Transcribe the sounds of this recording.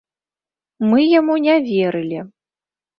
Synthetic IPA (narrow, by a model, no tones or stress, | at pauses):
mɨjamunʲavʲeɾɨlʲi